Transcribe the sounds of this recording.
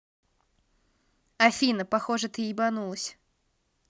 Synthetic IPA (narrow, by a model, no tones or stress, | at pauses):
ɐfʲinɐpaxɔʐɐt̪ɨibanulˠəsʲ